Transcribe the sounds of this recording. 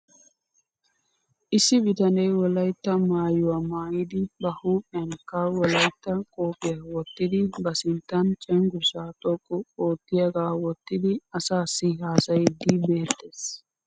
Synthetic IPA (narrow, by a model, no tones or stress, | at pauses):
ʔɪsːɪbɪt̪ɐnɛjwɔlɐjt̪ːɐmaːjʊwaːmaːjɪd̪ɪbɐhuːpʼːɪjɐnkːɐwɔlɐjt̪ːɐkʼoːpʼɪjɐwɔt̪ːɪd̪ɪbɐsɪnt̪ːɐnt͡ʃʼɛŋɡʊsaːt̪ʼɔkʼːʊoːt̪ːɪjɐɡaːwɔt̪ːɪd̪ɪɐsaːsːɪhaːsɐjɪd̪ibe̞ːt̪ːeːs